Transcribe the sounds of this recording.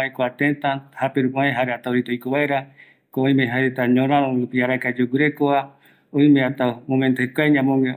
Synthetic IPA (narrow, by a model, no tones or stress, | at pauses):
aekoat̪et̪ãhapeɾukaẽɦaɾeat̪aoɾit̪ojkoβaeɾa | kooj̃mẽɦaet̪aɲõɾãɾõɾupiaɾakad͡ʒuwɨɾekoa | õj̃mẽat̪amõmẽnt̪ohekʷaeɲãmõŋe